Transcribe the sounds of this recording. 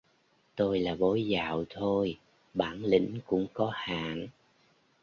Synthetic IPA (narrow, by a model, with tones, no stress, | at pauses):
t̪o˧jlaː˨˩ɓo˨˦jza̰ː˧˨wt̪ʰo˧j | ɓaː˧˩nlḭ̈˧˥ŋ̟kʊ̰˧˥ŋ͡mkɔ˨˦ha̰ː˧˨n